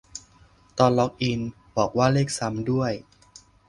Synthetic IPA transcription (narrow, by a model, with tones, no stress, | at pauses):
t̪ɔː˧nlɔ˦˥k̚ʔi˧n | bɔː˨˩k̚waː˥˩leː˥˩k̚sa˧˦˥mdu˥˩əj